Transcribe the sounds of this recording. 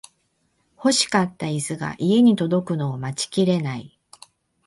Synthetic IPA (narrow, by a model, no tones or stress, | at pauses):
ho̞ɕi̥kat̪ːaizɨɡa̰ʔie̞ɲ̟it̪o̞d̪o̞kɯ̟no̞ːmat͡ɕi̥kʲiɾe̞nai